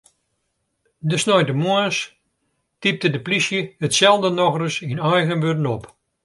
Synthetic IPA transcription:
dəsnɔjdəmuəs | tip̚tədəplisjəhətsɛlˠvdənɔxrəsinɛjɣənʋødənɔp

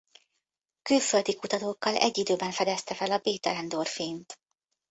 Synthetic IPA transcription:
kylføld̪ikut̪ɒt̪oːkːɒlɛ̰ɟːid̪øːbɛɱfɛd̪ɛst̪ɛfɛlɒbeːt̪ɛlɛnd̪orfiːnt̪

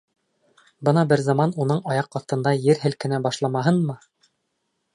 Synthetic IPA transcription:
bɤnɑbɘɾzɑmɑnunɤɴɑjɑqɑθt̪ɤ̆nd̪ɑjɘɾɦɘ̆lkɘ̆næbɑʃlˠɑmɑɦɤnmɤ

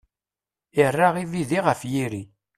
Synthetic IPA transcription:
ɪrːaʁiviðiʁəfjiɾi

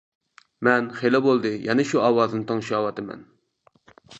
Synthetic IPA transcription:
mɛnχelɪbolˠd̪ɨjʔɛnɪʃuɑːwɑːznɨt̪ʰɑŋʃɑwɑt̪ɨmɛ̰n

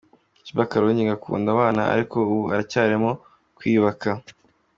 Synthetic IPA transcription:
ciβakaɾoɲiɡakʰṵːndaβaːnaa̰ɾiko̞uβuacaːɾemo̞ | kwiːβaka

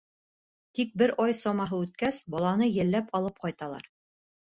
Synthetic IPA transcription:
t̪ik̚bɘɾʔɑjsɑmɑɦɤʉt̪̚kæsbɒlˠɑnɤjɘ̆lːæpɒlˠɤp̚qɑjt̪ɑlˠɑ̰ɾ

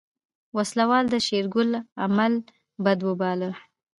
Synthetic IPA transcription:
waslawɑld̪əʃeɾɡʊla̰mal | bad̪wəbɑlə

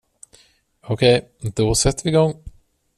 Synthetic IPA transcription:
ɔkʰɛj | d̪ɔsɛt̪ːvɪɡɔŋː

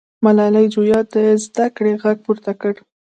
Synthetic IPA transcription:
malɑlajd͡ʒujɑd̪əezd̪akɽeɣaɡ̚puɾt̪akəɽ

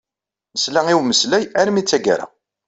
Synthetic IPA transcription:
məslæŋiwməslæjæɾmit͡sːæɡa̰ɾa̰

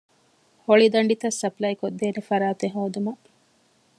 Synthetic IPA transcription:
hoɭid̪ɐɳɖit̪ɐsːɐplɐjkod̪ːeːnefɐɾaːt̪eɦoːd̪umɐ

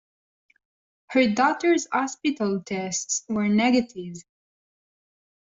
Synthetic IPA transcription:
hə˞dɔtə˞zhɑspɪtəlˠtʰɛstswə˞nɛɡətʰɪv

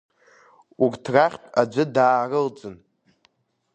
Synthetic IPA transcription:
urtʰraχʲtʷʼad͡zʷɨdaːrɨld͡zɨn

